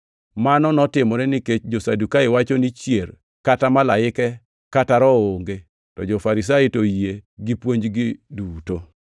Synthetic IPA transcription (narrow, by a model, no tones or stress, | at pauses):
manɔnɔtɪmɔɾɛniket͡ʃd͡ʒosadukaɪwat͡ʃonit͡ʃjer | katamalaɪkɛ | kataɾɔoŋɡe | tɔd͡ʒofaɾɪs̬aitojeɡipwoɲd͡ʒɡiduto